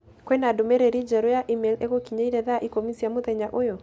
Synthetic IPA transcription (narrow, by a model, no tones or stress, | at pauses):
kwɛnadomɛɾeɾid͡ʒɛɾojaʔimɛleɣokiɲaiɾɛðaʔikomisiamoðɛɲaʔojɔ